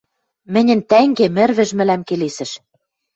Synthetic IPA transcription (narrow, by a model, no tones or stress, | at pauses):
mɘ̆nʲɘ̆nt̪æŋɡemɘ̆rβɘ̆ʒmɘ̆læmkelesɘ̆ʃ